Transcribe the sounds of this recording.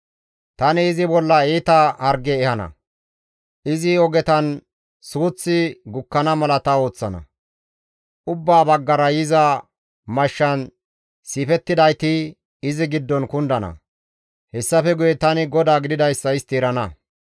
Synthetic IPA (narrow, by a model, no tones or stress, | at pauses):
t̪ɐnɪːzɪbɔlːɐeːt̪ɐhɐɾɡɛːhɐnɐ̰ | ʔɪzɪɔɡɛt̪ɐn | suːt͡sːɪɡʊkːɐnɐmɐlɐt̪ɐo̞ːt͡sːɐnɐ̰ | ʔʊbːaːbɐɡːɐɾɐjɪzɐ | mɐʃːɐn | siːfɛt̪ːɪd̪ɐjt̪ɪ | ɪzɪɡɪd̪ːɔnkʊnd̪ɐnɐ̰ | hɛsːɐfɛɡʊjɛt̪ɐnɪɡɔd̪aːɡɪd̪ɪd̪ɐjsːɐɪst̪iːɾɐnɐ